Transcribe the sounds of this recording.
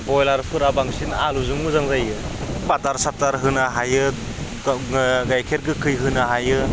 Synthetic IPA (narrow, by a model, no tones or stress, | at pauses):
bɔjlaɾpʰɯɾabaŋsinaluzɯŋmɯzaŋzajɯbataɾsataɾɦɯnaɦajɯ | ɡajkʰeɾɡɯkʰɯjɦɯnaɦajɯ